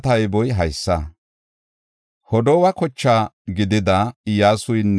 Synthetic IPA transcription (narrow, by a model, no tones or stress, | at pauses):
t̪ɐjbɔjɦɐjsːɐ | hɔd̪ɔwɐkɔt͡ʃːaːɡɪd̪ɪd̪ɐjaːsʊjnː